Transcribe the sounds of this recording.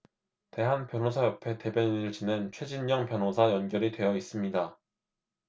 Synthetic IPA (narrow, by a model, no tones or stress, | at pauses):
te̞ɦanpjʌnɦosʰajʌpʰe̞te̞bjʌɲinɯɭt͡ɕinent͡ɕʰwe̞d͡ʑinɲʌŋpjʌnɦosʰajʌnɡjʌɾidwe̞jʌis͈ɯmɲida